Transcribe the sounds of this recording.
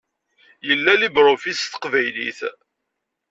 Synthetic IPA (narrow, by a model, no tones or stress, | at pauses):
jəlːælibɾofist̪ə̥qvæjlḭθ